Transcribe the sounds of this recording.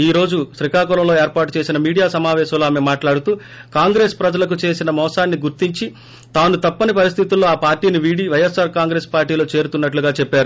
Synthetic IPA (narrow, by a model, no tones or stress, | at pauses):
iːɾo̞ːd͡ʒuʃɾikaːkulɐmlo̞ːeːɾpaːʈut͡ʃe̞ːsinɐmiːɽijaːsɐmaːʋɛːʃɐmloːaːmemaːʈlaːɽut̪uː | kaːŋɡɾe̞ːspɾɐd͡ʒɐlɐk̬ut͡ʃe̞ːsinɐmɔːsaːnːiɡuɾt̪iɲt͡ʃi | t̪aːnut̪ɐpːɐnipɐɾist̪ʰit̪ulːo̞ːaːpaːɾʈiːniʋiɽiʋɐjesaːɾkaːŋɡɾe̞ːspaːɾʈiːlo̞ːt͡ʃe̞ːɾut̪unːɐʈluɡaːt͡ʃɛpːaːɾu